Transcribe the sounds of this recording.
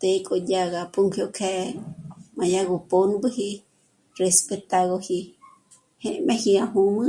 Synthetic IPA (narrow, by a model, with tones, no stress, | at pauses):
t̪e˧kʼo˧dʲa˧ɣapʼu˦ŋkʰjo˧kʰɛ˧ | mã˨jaɡo˧ponbɨɦi | respe˧t̪a˧ɣohi˧ | he˦ʔmẽ˧hi˧aɦu˧mɨ˦